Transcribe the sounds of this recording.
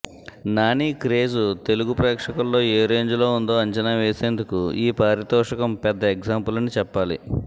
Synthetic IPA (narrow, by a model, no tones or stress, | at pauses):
naːniːkɾe̞ːd͡ʒut̪e̞luɡupɾɛːkʂɐkɐlːo̞ːeːɾeːɲd͡ʒulo̞ːund̪o̞ːɐɲt͡ʃɐnaːʋeːse̞ːnd̪ukuiːpaːɾit̪ɔːʂɐkɐmpɛd̪ːɐeɡd͡ʒaːmpulɐnit͡ʃɛpːaːlḭ